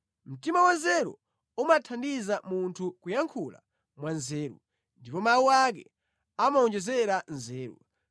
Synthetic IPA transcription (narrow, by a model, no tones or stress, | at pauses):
m̩timawanzɛɾṵ | umatʰandizamuntʰukujaŋkʰula̰ | mwanzɛːɾṵ | ndipɔmawuwak̬ɛ | amaɔnd͡ʒɛzɛɾanzɛːɾṵ